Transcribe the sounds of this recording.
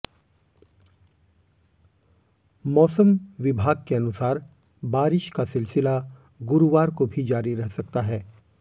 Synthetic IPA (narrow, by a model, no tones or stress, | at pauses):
mɔːsəmʋɪbʱaːɡ̚keɐnʊsaːɾ | baːɾɪʃkasɪlsɪla | ɡʊɾuʋaːɾkobʱid͡ʒaːɾiɾɛɦsɐk̚t̪aɦɛː